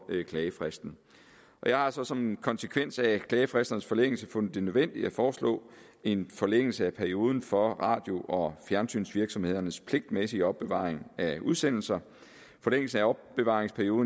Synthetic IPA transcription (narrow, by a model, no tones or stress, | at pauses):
kʰlɛːəfʁɛsd̥n̩ | ʔɒ̽jɑ̈ɪhɑ̈sɒ̽sɒ̽mkʰɒ̽nsəkʰʋen̰sækʰlɛːəfʁɛsd̥ɐnəsfɒ̽leŋ̰l̩səfɔ̽nð̩̥ˠe̝nøðˠʋen̰d̥iæfɒːslɔ̰̽ː | e̝nfɒ̽leŋ̰l̩səæpʰæɐio̝ːð̞ˠn̩fɒ̽ʁɑ̰̈ːd̥jo̝ʔɒ̽fjæɐnsy̰ːnsʋiɐɡ̥sɒ̽mhe̝ð̞̰ˠɐnəspʰle̝ɡ̥̚d̥mesiɒ̽b̥ːeʋɑ̰̈ːʁeŋæuðˠsen̰l̩sɐ | fɒ̽leŋ̰l̩sn̩æɒ̽b̥b̥e̝ʋɑ̈ːʁeŋspʰæɐio̝ːðˠ